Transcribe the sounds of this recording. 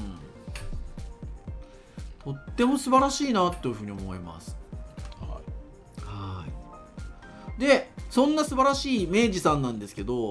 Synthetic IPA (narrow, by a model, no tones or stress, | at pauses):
ɯ̃ | t̪ʰo̞t̪ːe̞mo̞sɨbaɾaɕiːnat̪ːoeiɯ̟ɯ̟ːɲ̟io̞mo̞ima̰sɨ̥ha | hai | d̪e̞sõ̞nːasɨbaɾaɕiːme̞ːʑisãnːãnd̪e̞sɨ̥ke̞d̪o̞